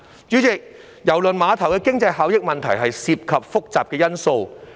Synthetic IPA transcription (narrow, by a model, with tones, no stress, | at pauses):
t͡ʃyː˨˥t͡sɪ˨k̚ | jɐ˨˩wlɵ˨nmaː˨˧t̪ʰɐ˨˩wkɛː˧kɪ˥ŋt͡sɐ˧jɦaː˨˧wjɪ˥k̚mɐ˨nt̪ʰɐ˨˩jɦɐ˨jsiː˧p̚kʰɐ˨p̚fʊ˥k̚t͡saː˨p̚kɛː˧jɐ˥nso˧w